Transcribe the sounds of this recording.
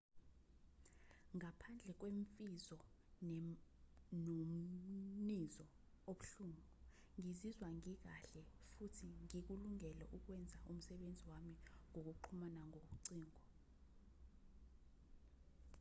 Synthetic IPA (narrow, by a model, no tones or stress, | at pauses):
ŋapʰand͡ɮʱɛk̬weɱfizɔ | nomnizɔ | oɓuɬuːŋu | ŋizizwaŋik̬aɬɛfutʰiŋik̬uluŋɛlɛʔuk̬wɛnd͡zʱaʔum̩sɛɓend͡zʱiwamiŋok̬uǃʰumanaŋʱoɓ̬uǀiːŋɔ